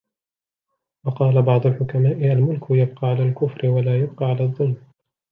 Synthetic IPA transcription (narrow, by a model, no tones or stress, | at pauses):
wɑqɑːlabɑʕd̪ˤʊlħʊkamaːʔɪʔalmʊlkʰʊjab̚qɑːʕalaːlkʊfɾɪwalaːjʊb̚qɑːʕalaːðˤːʊlm